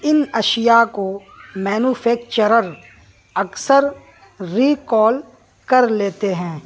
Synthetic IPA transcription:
ɪnɐʃɪjako | mɛːnuːfʰɛːk̚t͡ʃəɾəɾ | ɐksəɾ | ɾiːkɔːl | kɐɾleːt̪eɦɛ̃ː

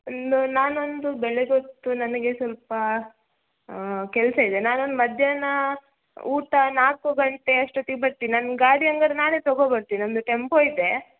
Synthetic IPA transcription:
ond̪unaːnond̪ubɛleɡot̪ːunɐnɐɡe̞sɐlpɐ | kɛlsɐid̪enaːnond̪umɐd̪ʱjɐnɐ | uːʈɐnaːkuɡɐɳʈeɐʂʈut̪ibɐɾt̪iːinanɡaːɽiɐŋɡɐɾenaːneːt̪ɔɡobɐɾt̪iːniomd̪uʈempoːid̪e̞

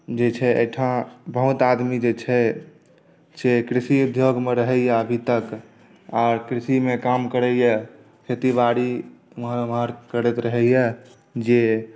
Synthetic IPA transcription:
d͡ʒet͡ʃʰɛḛjʈʰãbəɦut̪ad̪mid͡ʒet͡ʃʰɛ | sekɾisiud̪ʱjoɡmeɾəɦɛjɛəbʱit̪ək | aɾkɾisimekamkəɾɛjɛ | kʰet̪ibaɽi | məɦənməɾkəɾɛt̪ɾəɦɛjɛ | d͡ʒe

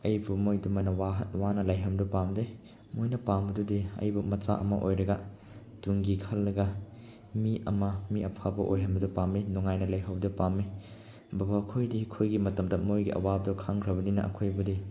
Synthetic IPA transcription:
ɐjbumojdumɐnɐwaɦtwanɐlɐjɦɐmdupamde | mojnɐpambɐdudiɐ̰jbumɐt͡ʃa̰ʔɐ̰mɐ̰ʔojɾɐɡɐ | tuŋɡikʰɐlːɐɡɐ | miɐmɐmiɐpʰabɐʔojɦɐmbɐdupaminɔŋajnɐlɐjɦɐwbdɐpamːi | bɐbakʰojdikʰojɡimɐtɐmtɐt̚mojɡiʔɐ̰wabdɔkʰaŋkʰɾɐβɐninɐ̰ʔɐ̰kʰojbude

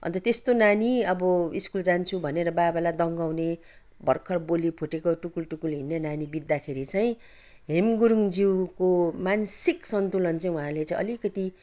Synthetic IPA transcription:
ʌ̰nt̪ʌt̪est̪onaniʌbʌiskuld͡zant͡sʰubʱʌneɾʌbabalad̪ʌŋɡaw̃ne | bʱʌ̰rkʰʌrbolipʰuʈekoʈukulʈukulɦinːenanibid̪ːakʰeɾit͡saj̃ĩ | ɦemɡuɾuŋd͡ziwkomansiksʌnt̪ulʌnt͡saĩũɦãlet͡saĩʔʌ̰likʌt̪i

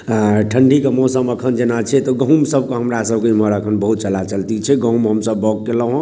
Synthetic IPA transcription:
ʈʰəɳɖʱikəmõsəməkʰənd͡ʒenat͡ʃʰɛt̪ɔɡə̃ɦũmsəbʱkeɦəmɾasəbʱkeiməɾəkʰənbəɦut̪̚t͡ʃəlat͡ʃəlt̪it͡ʃʰɛɡə̃ũmɦəmsəbːɔɡkeləɦõ

